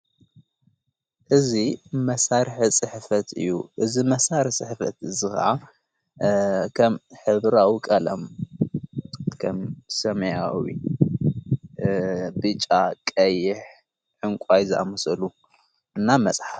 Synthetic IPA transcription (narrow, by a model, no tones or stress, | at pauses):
ʔɨzimɐsaɾħisʼɨħfɐt̪ʰɨ̰jːuʔɨzimɐsaɾɨsʼɨħfɐ̰t̪ɨzɨxɐ̰ʕa | kʰɐmħɨβɾawikʼɐlɐm | kʰɐmsɐmɐjawḭ | bɨt͡ʃʼakʼɐjːɪħ | ʕɨŋkʷʼajzɨʔa̰mɐsɐlu | ʔɨnːamɐt͡sʼħaf